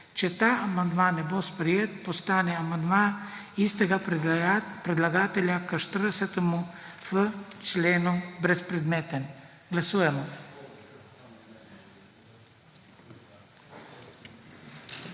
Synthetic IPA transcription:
t͡ʃɛt̪aːmand̪mãnːɛbɔspɾiɛt̪̚pɔst̪anɛamand̪man | ist̪ɛɡa | pɾɛd̪laɡat̪ɛlakəʃt̪əɾəsɛt̪əmufət͡ʃlɛnubɾɛspɾɛd̪mɛt̪ɛn | ɡlasuɛmɔ

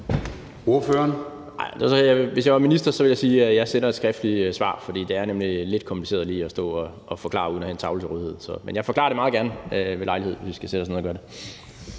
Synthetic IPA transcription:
o̝ɐføɐn | ɑɪ̰d̥eɐsɒjaʋe̝sjɪʋɑminisd̥ɐsɒ̽ʋe̝ljɑ̈ɪsiːjɑ̈ɪsenɐed̥sɡ̥ʁɛfd̥lisʋɑ̰̈ːfɒ̽d̥ḭːd̥e̝æɐnemlile̝d̥kʰɒmpʰlise̝̰ɐðˠliːɒ̽sd̥ɔ̰̽ːɒː | fɒ̽kʰlɑ̰̈ːuðˠn̩ɒhæent͡sʰɑ̈ʊlət͡sʰe̝ʁɔðˠhe̝ð̰ˠsɒ̽menjɑ̈ɪfɒ̽kʰlɑ̈ɐɾemɑð̩ˠɡæɐnʋe̝lɑ̈ɪlie̝ð̞̰ˠʋe̝sʋisɡ̥æsed̥ɑsnoð̩ˠɡ̥ɶɐde

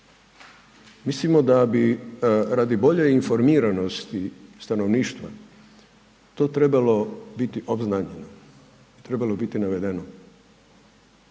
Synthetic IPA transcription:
mislimo̞d̪abiɾad̪ibo̞ʎeinfo̞ɾmiːɾanost̪ist̪ano̞ʋniːʃt̪ʋa̰ | t̪o̞ːt̪ɾe̞balo̞bit̪iʔobznaɲeno | it̪ɾe̞balobit̪inaʋe̞d̪eno

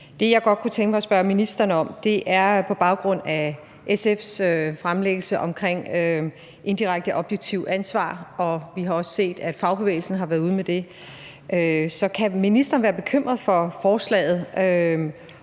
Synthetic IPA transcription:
d̥e̝jɑ̈ɪɡ̥ɒ̽d̥̚kʰut͡sʰeŋɡ̥əmɑɒsb̥ɶɐminisd̥ɐnəɒ̽md̥e̝ʔæɐpʰɒ̽b̥ɑ̈ʊɡ̥ʁɔ̽n̰æ | ʔesefsøfʁamleɡ̥əl̩səʔɒ̽mkʰʁeŋ̰ø | ʔe̝nd̥iʁaɡ̥̚d̥əʔɒ̽b̥jeɡ̥̚t͡sʰiʊ̰ænsʋɑ̰̈ːɒ̽ʋiɦɑ̈ɒ̽sə̥se̝̰ːd̥æd̥fɑ̈ʊb̥eḛːɪl̩sn̩ɦɑ̈ʋæːɐðˠuð̞̩ˠmed̥e̝ | ʔøsɒ̽kʰæminisd̥ɐn̩ʋæːɐb̥e̝kʰøm̰ʁɐð̩ˠfɒ̽fɒːslɛ̰ːɪð̞̩ˠø

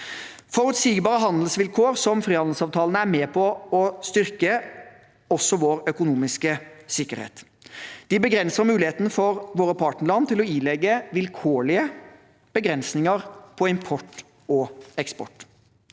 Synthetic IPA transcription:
fɔɾʉt̪siːɡbɑːɾəɦɑnd̪l̩sʋɪlkʰoːʁsɔmfɾiːhɑnd̪l̩sɑːʋt̪ʰɑːlnəæɾmeːpʰɔɔst̪ʏʁkə | ɔsːɔʋoːɾœkʊnuːmɪskəsɪkːəɾhḛːt̪ | d̪̥ɪbəɡɾɛnsəɾmʉːlɪheːt̪nəfɔɾʋoːɾəpʰɑːʈnəɭɑnt̪ʰɪlɔiːlɛɡːəʋɪlkʰoːɭɪə | b̥əɡɾɛnsnɪŋəʁpʰɔɪmpʰɔʈ | ɔɛkspɔ̰ʈː

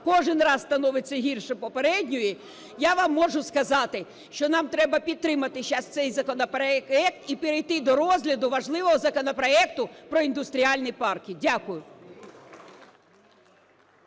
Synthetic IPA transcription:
kɔʒɪnrɑzst̪ɐnɔʋɪt͡sʲːɐɦirʃɛpɔpeɾɛdʲnʲʊji | jaʋɑmːɔʒʊskɐzɑt̪ɪ | ʃt͡ʃɔnɑmt̪ɾɛbɐpʲid̪̚t̪ɾɪmɐt̪ɪʃɑst̪sɛjzɐkɔnɔpɛɛk̚t̪ipeɾejt̪ɪd̪ɔɾɔzʲɦlʲɐd̪ʊʋɐʒlˠɪʋɔɦɔzɐkɔnɔpɾɔɛk̚t̪ʊpɾɔind̪ʊst̪ɾʲiɑlʲnɪjpɑrkʲidʲakʊjʊ

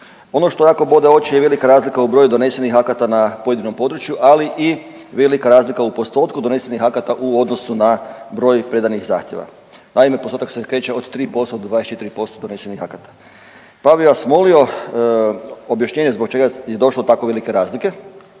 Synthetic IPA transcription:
o̞no̞ʃt̪o̞jaːko̞bod̪eo̞t͡ʃijeʋe̞likaɾaːzlikaubɾojud̪o̞ne̞senixakat̪anapojed̪ino̞mpo̞d̪ɾut͡ʃjuʔaliʔi | ʋe̞likaɾaːzlikaupost̪o̞t̪kud̪one̞senixakat̪aʔuo̞d̪no̞sunabɾo̞ːjpɾe̞d̪anixza̰ːxt̪je̞ʋa̰ | naime̞post̪ot̪aksekɾe̞ːt͡ɕeo̞d̪t̪ɾiːpo̞st̪od̪d̪ad̪est͡ʃet̪iɾipo̞st̪od̪one̞senixakat̪ḁ | paʋiasmolio̞ | objaʃɲeːɲezbok̚t͡ʃe̞ɡajed̪o̞ʃlod̪ot̪akoʋe̞like̞ɾaːzlike̞

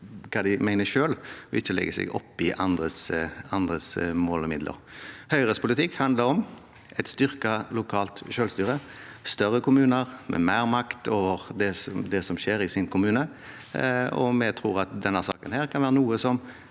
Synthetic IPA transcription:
kʰɑːd̪ɪmæɪnəʃøːlɔɪçːəlɛ̰ɡəsɛ̰ɡɔ̰pːɪʔɑnd̪ʁəsɑnd̪ʁəsmoːlɔmɪd̪lʔə̰ɾhœʏɾəspʰʊlɪt̪ʰɪkhɑnd̪ləɾɔm | ʔɛt̪st̪ʏʁkɑlʊkʰɑːlt̪ʃøːlst̪yːɾəst̪œʁəkʰʊmʉːnəʁmʔɛ̰mæːɾmɑkt̪oːʋəʁd̪ɛsd̪ɛsɔmʃeːɾɪsɪnkʰʊmʉːnə | ɔ̰mɛt̪ʰɾuːʁɑt̪̚d̪ɛnːəʁsɑ̰ːkənhæːɾkʰɑnʋæːɾʁənuːəsɔm

